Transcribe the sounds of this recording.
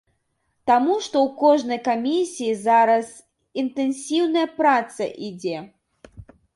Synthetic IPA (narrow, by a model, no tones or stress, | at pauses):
t̪amuʂt̪ɔwkɔʐnɐjkamʲisʲijizaɾɐs | int̪ɛnsʲiwnɐjɐpɾat̪sɐ̰ʔid͡zʲɛ